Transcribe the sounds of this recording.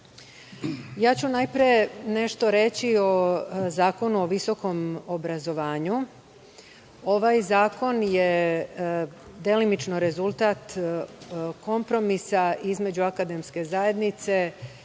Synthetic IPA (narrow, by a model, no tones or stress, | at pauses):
jaːt͡ɕunajpɾiene̞ʃt̪o̞ɾe̞t͡ɕio̞zaːko̞nuoʋiso̞ko̞mobɾazo̞ʋaːɲu | o̞ʋajzaːko̞nje | d̪e̞limit͡ʃnoɾe̞zulˠt̪aːt̪ | ko̞mpɾo̞misaizme̞d͡ʑuakad̪e̞mske̞zaje̞d̪nit̪se̞